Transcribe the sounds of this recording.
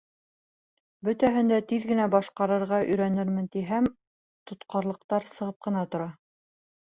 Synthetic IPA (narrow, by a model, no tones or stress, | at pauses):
bɵt̪æɦɘ̆nd̪æt̪iðɡɘ̆næbɑʃqɑɾɤ̆ɾʁɑʔɵ̆jɾænɘɾmɘ̆nt̪iɦæm | t̪ŏt̪qɑɾlˠɤ̆q̚t̪ɑɾsɤ̆ʁɤp̚qɤ̆nɑt̪ŏɾɑ